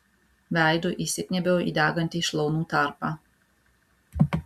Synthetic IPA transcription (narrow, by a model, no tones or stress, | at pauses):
ʋʲæˑɪd̪uʔisʲɪkʲnʲɛbʲɛːḭːd̪ʲæːɡɐnʲt̪ʲiːʃlˠɐʊnuːt̪ɑˑɾpɑː